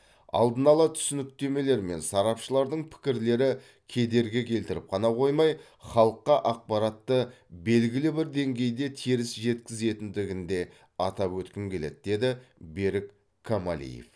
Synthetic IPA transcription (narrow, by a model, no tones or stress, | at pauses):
ɑ̰lˠd̪ənɑlˠɑt̪ʰʏ̥sɪnɪk̚t̪e̞me̞le̞ɾme̞̰nsɑɾɑpʃəlˠɑɾd̪əɴpʰɪ̥kʲɪɾle̞ɾɪ | kʲʰe̞d̪e̞ɾɡʲɪkʲʰe̞lt̪ɪɾɪp̚qʰɑnɑqʰo̞jmɑj | χɑlˠəqːɑʔɑq̚pɑɾɑt̪ːə | be̞lɡʲɪlɪbɪɾd̪e̞ŋɡʲe̞jd̪e̞t̪ʰiɾɪsʒe̞t̪kʲɪze̞t̪ɪnd̪ɪɡʲɪnd̪e̞ | ɑt̪ɑpwɵt̪kʲɪmkʲʰe̞le̞̰t̪̚d̪e̞d̪ɪbe̞ɾɪk | kʰːamalḭjḛf